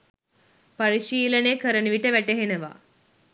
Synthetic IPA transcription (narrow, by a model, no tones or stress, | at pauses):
pɐɾiʃiːləneːkəɾənuʋiʈəʋæʈeɦenəʋa̰ː